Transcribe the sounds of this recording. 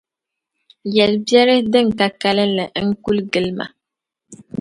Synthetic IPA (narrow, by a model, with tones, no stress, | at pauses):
jɛ˨lbjɛ˦ɾɪ˦dɨ˦ŋ˨ka˦ka˦lɨ˦nlɨ˨˦ŋ̩˦ku˦lɡɨ˦lma̰˨